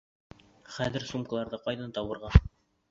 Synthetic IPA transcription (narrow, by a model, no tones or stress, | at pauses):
χæðɘɾsumkalˠɑɾðɤqɑjðɑnt̪ɑwɤ̆ɾʁɑ